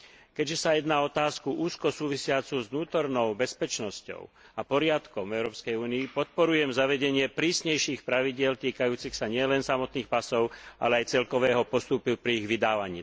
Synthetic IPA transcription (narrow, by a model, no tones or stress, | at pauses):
kɛɟʒɛsajɛd̪naːɔt̪aːskuʔuːskɔsuːʋisɪat͡suzʋnuːt̪ɔɾnɔʊbɛspɛt͡ʃnɔscɔ̰ʊ | apɔɾɪat̪kɔmɛʊɾɔːpskɛjuːniːpɔt̪̚pɔɾujɛmzaʋɛɟɛɲɪɛpɾiːsɲɛjʃiːxpɾaʋiɟɪɛlt̪iːkajuːt͡sixsaɲɪɛlɛnsamɔt̪niːxpasɔʊʔa̰lɛajt͡sɛlkɔʋɛːɦɔpɔst̪upupɾiiɣʋid̪aːʋaɲiː